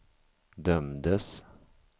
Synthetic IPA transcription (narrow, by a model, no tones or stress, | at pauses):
d̪œmd̪əs